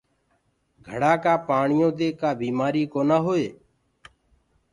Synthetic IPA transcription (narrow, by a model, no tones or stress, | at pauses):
ɡʱəɽaːkaːpaːɳɪjõːd̪eːkaːbiːmaːɾiːkoːnaːɦoːeː